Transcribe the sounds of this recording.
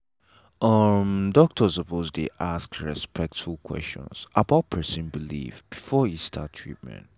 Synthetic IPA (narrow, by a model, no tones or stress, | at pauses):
ʔʌmdɔk̚tʰɔsəposlḭʔaskɹɛspʰɛk̚tfulˠkʰwɛ̰st͡ʃɔ̰̃nsabaʊt̚pʰɜ˞sĩnbilḭfb̥ifɔhistʰa̰ttʰɹḭt̚mɛ̰̃nt